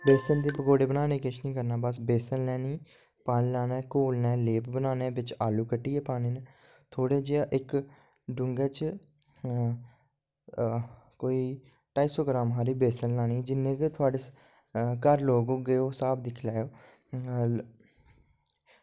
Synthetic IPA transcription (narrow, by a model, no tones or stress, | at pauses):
beːsənd̪eːbəkoːɽeːbənaːneːkɪt͡ʃʰnĩːkəɾnaːbəsbeːsənlɛːniː | paːnlaːnɛːkoːlnɛːleːpbənaːneːbɪt͡ʃaːluːkəʈːiːeːpaːneːne | t̪ʰoːɽeːd͡ʒeːaːʔɪk | ɖʊŋɡeːt͡ʃ | koːiː | ʈaːiːsoːɡɾaːmɦaːɾiːbeːsənlaːniːd͡ʒɪnːẽːket̪ʰʊaːɖeː | kəɾloːɡoːɡeːoːsaːb̚d̪ɪkʰlɛːoː